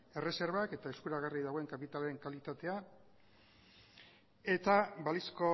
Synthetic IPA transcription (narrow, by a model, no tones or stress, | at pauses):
e̞re̞se̞ɾβake̞t̪aeskuɾaɣariðaɣo̞e̞ŋkapit̪alee̞ŋkalit̪at̪e̞a | e̞t̪aβalisko̞